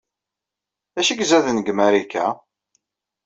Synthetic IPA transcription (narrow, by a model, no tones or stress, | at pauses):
æʃiɡzæðənɡmæɾikæ̰